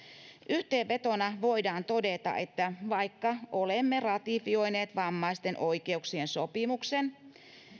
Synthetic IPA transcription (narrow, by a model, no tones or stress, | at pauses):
ʔyht̪eːʋʋe̞t̪onɑʋo̞idɑːnt̪o̞det̪ɑ̰ʔḛt̪ːæʋɑikːɑʔolemːerɑt̪ifio̞jneːt̪ʋɑmːɑist̪enʔo̞ike̞uksiensopimuksen